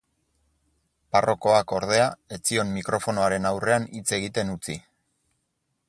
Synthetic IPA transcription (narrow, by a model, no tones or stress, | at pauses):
paro̞ko̞ako̞ɾð̞e̞ae̞t͡sio̞mmikɾo̞fo̞no̞aɾe̞nawre̞anit͡se̞ɣit̪e̞nut͡si